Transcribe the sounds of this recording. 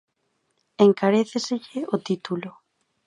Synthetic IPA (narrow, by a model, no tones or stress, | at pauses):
eŋkaɾeθeseʎɪot̪it̪ulo